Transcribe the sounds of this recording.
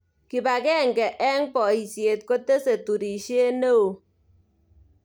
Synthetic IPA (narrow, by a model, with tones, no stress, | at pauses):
ki˨ba˨kɛ˦˨ŋɡɛ˨ʔɛ˦ŋpɔ˨i˨sje˨t̚ko˦te˦se˨tu˨ɾi˨ʃe˦ne˦o˨